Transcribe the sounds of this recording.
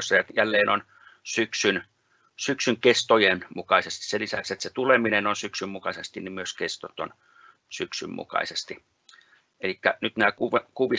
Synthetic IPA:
sːɑjɑjælːeːnon | syksyn | syksyŋkest̪ojenmukɑisest̪i̥sselisækset̪set̪uleminenonsyksymmukɑsest̪inimyøskest̪ot̪o̰n | syksymmṵkɑ̰isest̪i | elikːænyt̪næːkuʋekuʋi

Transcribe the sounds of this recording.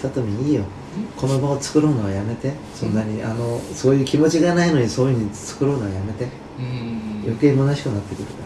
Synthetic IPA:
t̪at̪omʲiɲiːjo̞ | kʰo̞no̞baot͡sɨ̥kɯ̟ɾo̞ːnaojame̞t̪e̞ | sõ̞̰nːaɲ̟iʔa̰no̞so̞ːjɯ̟ːkʲimo̞t͡ɕiɡanaino̞ɲ̟iso̞ːjɯɲ̟it͡sɨ̥kɯ̟ɾo̞ːnaojame̞t̪e̞ | jʔo̰ke̞ːimo̞naɕi̥kɯ̟nat̪ːe̞kɯ̟ɾɯ̟kaɾ

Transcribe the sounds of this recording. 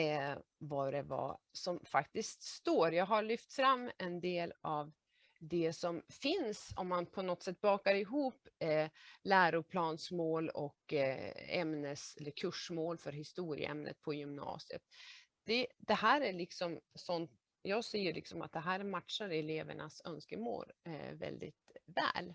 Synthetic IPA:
vɑɖɛvɑ̰sɔmfakt̪ɪst̪st̪oːɾjɑːɡɦaɭʏft̪fɾamːɛnd̪eːlav | d̪ɛsɔmfɪnsɔ̰mːanpʰɔnɔt̪ːsɛt̪ːbɑːkaɾɪɦuːpː | læːɾʊpʰlɑːnsmoːlɔk | ɛmnəsɛlːəɾkʰɵʂmoːlfœɾɦɪst̪uːɾɪ̰ə̰ʔɛ̰mnʔə̰t̪̚pʰɔjʏmnɑ̰ːsɪə̰t̪̚d̪̥ɛd̪̥ɛhæːɾæɭɪksɔmsɔnt̪ | jɑːɡsɛjːəlʔɪ̰ksɔma̰t̪̚d̪ɛɦæːɾmat̪ʂaɾɛleːvə̰ɳʔasœ̰nskəmo̰ːlvɛ̰ld̪ɪ̰t̪vɛ̰ːl

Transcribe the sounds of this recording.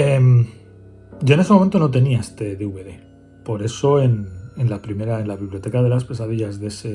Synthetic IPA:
em | ɟ͡ʝo̞e̞nes̬eoment̪o̞no̞t̪e̞niaest̪e̞ðeuβe̞ðe̞ | po̞ɾe̞so̞e̞ne̞nlapɾime̞ɾae̞nlaβiβljo̞t̪e̞kað̞elaspe̞saðiʎazðe̞se

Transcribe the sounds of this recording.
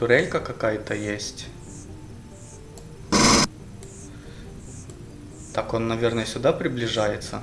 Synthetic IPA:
t̪ʊɾʲelʲkəkɐkajət̪əjesʲtʲ | t̪ako̞nːɐvʲernəjəsʲʊd̪apɾʲɪblʲɪʐajɪt̪sə̰

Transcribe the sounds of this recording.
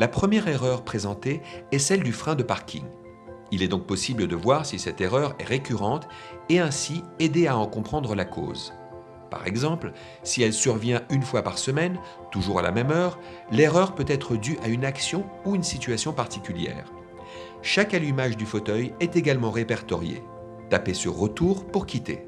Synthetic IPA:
lapχəmjɛʁeʁœʁpχezɑ̃t̪eɛsɛld̪yfχɛ̃d̪əpaʁkʲʰḭŋ | ilɛd̪ɔ̃k̚pɔsibləd̪əvwaʁsisɛt̪eʁœʁɛ̰ʁekʲyʁɑ̃t̪ | eɛ̃sied̪eaɑ̃kɔ̃pχɑ̃d̪ʁəlakʰo̰ːz | pa̰ʁɛ̰ɡzɑ̃pl | siɛlsyʁvjɛ̃ynfwapaʁsəmɛn | t̪uʒuʁa̰la̰mɛmœːʁ | leʁœʁpøt̪ɛt̪χəd̪yʔaynaksjɔ̃uynsit̪ɥasjɔ̃paʁt̪ikʲyljɛ̰ːʁ | ʃakalymaʒd̪yfot̪œjɛt̪eɡalmɑ̃ʁepɛʁt̪ɔ̰ʁjḛ | t̪apesə̰ʁət̪uʁpuʁkʲit̪ḛ

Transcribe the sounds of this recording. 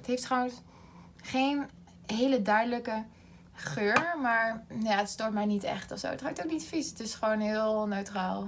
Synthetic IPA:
ətɦeftrawəs | χejn | ɦejlədœɥdələkə | χøːɹmaːɹnjaətstoːɹt̚mɛjnitɛ̰χtɔfso̰wətɦatoknitfisətɪsχəʋownɦɪːlˠnøɥtraːlˠ

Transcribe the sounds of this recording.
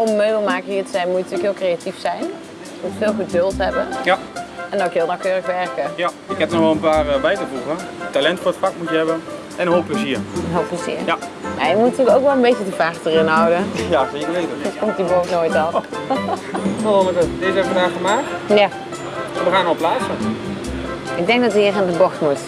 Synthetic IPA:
ɔmːøɥbəl̩ˠmaːkəiətəzɛjnmutətʰyːkɦɪːlˠkrejatifsɛjn | mutfɪːlˠɣədølˠtɦɛbəjaɛndɔkɦɪːlˠnawkøːrəxʋɛrkəja | ɪkɛtnɔχʋɛlˠənpaːrʋɛjtəpuvə | talɛntfoːɹətfakmutjəɦɛbə | ʔɛnənɦoːlˠpləziːɹnɦoːlˠpləzḭəɹjama̰ːjəkmutnətyːkowkʋɛlˠənbejcədəfaːrtərɪnɦʌwdəjaːsekəɹʋejtəkomtdiboːtnojtɔn | sɔɔnəkətdɪzɛbʋədaːχəmaːk̚tja | adəχaːnɔlplaːsə | ɪɡ̚dɛŋk̚dɔtəɪːrandəbɔtmut

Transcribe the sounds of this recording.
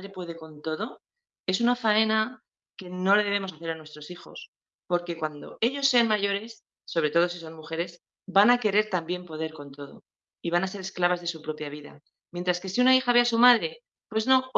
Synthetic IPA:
ɾe̞pwe̞ð̞e̞ko̞nt̪o̞ðo̞ | e̞s̬unafae̞na | ke̞no̞leð̞e̞β̞e̞mosaθe̞ɾanwe̞st̪ɾo̞sixo̞̰s | po̞ɾke̞kwand̪o̞̰e̞ʎo̞sːeanmaʝo̞ɾe̞sː | o̞βɾe̞t̪o̞ð̞o̞siso̞nmuxe̞ɾe̞s | banake̞ɾe̞ɾt̪ambje̞mpo̞ð̞e̞ɾko̞nt̪o̞ðo̞̰ | iβanase̞ɾe̞sklaβazðe̞supɾo̞pjaβiða̰ | mjent̪ɾaske̞siunaixaβe̞asumaðɾe̞ | pwe̞zno̞

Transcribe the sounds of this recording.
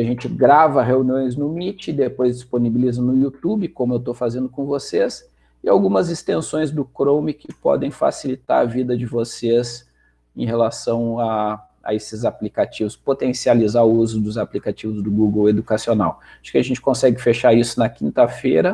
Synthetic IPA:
ʒẽnt͡ʃɪɡɾavɐɦeuniõj̃znʊmit͡ʃɪd̪epojzd͡ʒɪsponibilizɐnʊjut̪ubɪkõmʊewt̪owfazẽnd̪ʊkõvoses | ɪawɡũmɐzɪst̪ẽsõj̃zd̪ʊkɾõwmɪkɪpɔ̰d̪ẽj̃fa̰silit̪a̰ɾɐvid̪ɐd͡ʒɪvosez | ḛ̃j̃ɦelasɐ̃w̃a | a̰esɪzaplikat͡ʃivʊspot̪ẽsializaʊuzʊd̪ʊzaplikat͡ʃivʊzd̪ʊɡuɡwed̪ukasiona̰w | aʃkɪɐʒẽnt͡ʃɪ̥kõsɛɡɪfeʃaisʊnɐkĩnt̪ɐfeɾɐ

